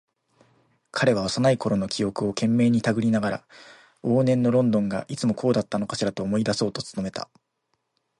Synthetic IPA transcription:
kʰaɾe̞β̞aβasanaiko̞ɾo̞no̞kʲijo̞kɯ̟o̞kẽ̞mːe̞ːɲ̟it̪aɡɯ̟ɾʲinaɡaɾa̰ | o̞ːnẽ̞nːo̞ɾõ̞nd̪õ̞ŋɡa̰ʔit͡sɨmo̞kʰo̞ːd̪at̪ːano̞kaɕiɾat̪o̞ːmo̞id̪aso̞ːt̪o̞t͡sɨ̥t̪o̞me̞t̪a̰

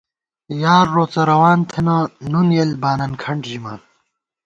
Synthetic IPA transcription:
jaːɾːoːt͡sɐɾɐwaːnt̪ʰenanunjelbaːnɐnkʰɐɳɖʑima̰ːn

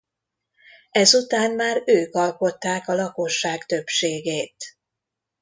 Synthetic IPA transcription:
ɛzut̪aːnmaːɾøːkɒlko̞t̪ːaːkɒlɒko̞ʃːaːɡt̪ø̞pʃeːɡeːt̪

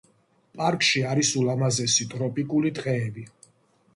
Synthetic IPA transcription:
pʼaɾkʼʃiaɾisulamazɛsit̪ʼɾɔpʼikʼulid̪qʼɛːbi

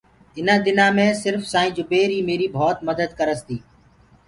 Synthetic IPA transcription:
ɪnãːd̪ɪnãːmẽːsɪɾfsãːĩːd͡ʒʊbeːɾiːmeːɾiːbʱɔːt̪məd̪əd̪kəɾəst̪iː

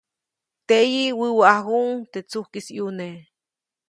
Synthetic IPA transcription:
t̪ejiwiwaʔauŋt̪et͡suhkisjune

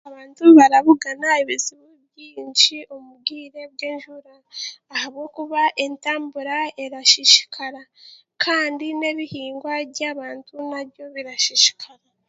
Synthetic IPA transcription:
aβaːntuβaɾaβuɡanaiβiziβuβjiːnʃiomuɡiːɾe̞bɡeːnʒuɾaː | haβɡo̞kuβaʔe̞ntaːmbuɾae̞ɾaʃiʃi̥kʰaɾa | kʰaːndine̞βihiːŋɡwaɾɟaːβaːntunaβjo̞βiɾaʃiʃi̥kʰaɾa

